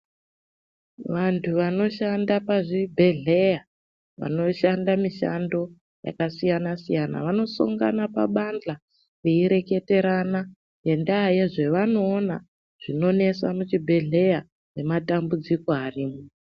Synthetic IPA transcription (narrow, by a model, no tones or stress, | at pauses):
ʋantʰuʋano̞ʃandapaʐibʱe̞ɮe̞ja | ʋa̰no̞ʃandamiʃa̰ndo̞ | ja̰kasijanasijana̰ʋano̞sṵŋɡa̰napa̰ɓand͡ɮa | jeiɾe̞ke̞te̞ɾana | je̞ndajeʐe̞ʋano̞ːna | ʐ̥ino̞ne̞samut͡ʃibʱe̞ɮe̞ja | re̞matambud͡ziko̞ariːmu